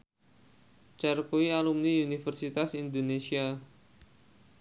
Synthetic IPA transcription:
t͡ʃɛrkoialumniunifɛrsit̪asind̪onesia

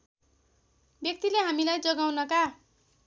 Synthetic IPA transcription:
bjʌk̚t̪ileɦamilajd͡zʌɡawnʌka

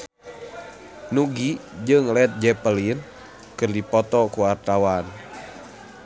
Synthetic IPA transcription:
nuɡid͡ʒɨŋlɛt̪̚d͡ʒɛpəlin | kɨrdipɔt̪ɔkuwart̪awan

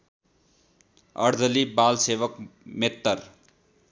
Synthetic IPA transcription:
ʌ̰ɾd͡zʌlibalsebʌkmet̪ːʌr

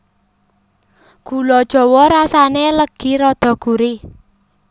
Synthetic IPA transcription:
ɡ̥ulɔd̥ʒ̥ɔ̤wɔɾasaneləɡ̥i̤ɾɔd̪̥ɔ̤ɡ̥uɾi

